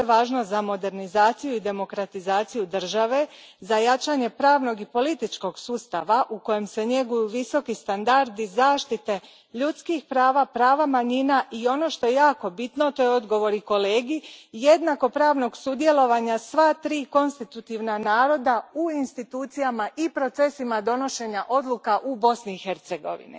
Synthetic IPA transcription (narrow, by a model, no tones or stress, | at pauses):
eʋaːʒnozamo̞d̪e̞ɾnizaːt̪sijuid̪e̞mo̞kɾat̪izaːt̪sijud̪r̩ʒaʋe̞ | zajat͡ʃaɲe̞pɾaːʋno̞ɡipo̞lit̪it͡ʃko̞ɡsuːst̪aʋaʔuko̞je̞mse̞ɲe̞ɡujuʋiso̞kist̪and̪aɾd̪izaːʃt̪it̪e̞ | ʎut̪skixpɾaːʋapɾaːʋamaɲinaʔio̞no̞ʃt̪o̞je̞jaːko̞bit̪no̞t̪o̞jo̞d̪ɡo̞ʋo̞ɾiko̞le̞ːɡije̞d̪nako̞pɾaːʋno̞ɡsud̪je̞lo̞ʋaɲasʋat̪ɾiːko̞nst̪it̪ut̪iʋnanaːɾo̞d̪auinst̪it̪uːt̪sijamaʔipɾo̞t̪se̞simad̪o̞no̞ʃe̞ɲaʔo̞d̪lˠukaʔubo̞sniːxe̞ɾt̪se̞ɡo̞̰ʋḭnḭ